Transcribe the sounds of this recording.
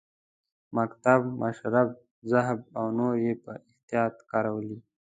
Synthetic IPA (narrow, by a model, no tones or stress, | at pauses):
makt̪abmaʃɾab̚ | zaɦb̚awnoɾjepəɪht̪ijɑːt̪kɑɾawəli